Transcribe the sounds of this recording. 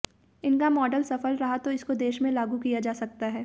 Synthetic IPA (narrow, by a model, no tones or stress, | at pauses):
ɪnkamɔːɖəlsɐfəlɾɐɦat̪oɪskod̪eːʃmẽlaːɡukijad͡ʒaːsɐk̚t̪aɦɛː